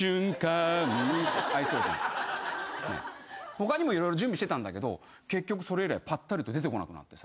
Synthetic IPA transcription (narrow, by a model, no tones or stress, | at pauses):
ɨ̃ŋka | aisosḛ̃ | nḛho̞kaɲ̟imo̞iɾo̞jɾo̞d͡ʑɨ̃mbʲiɕi̥t̪et̪ãnd̪a̰ke̞d̪o̞̰ | ke̞kʲːo̞k̬ɯ̟̥so̞ɾe̞iɾa̰ipat̪ːaɾɯ̟t̪o̞d̪et̪e̞ko̞na̰kɯ̟na̰t̪ːe̞sḁ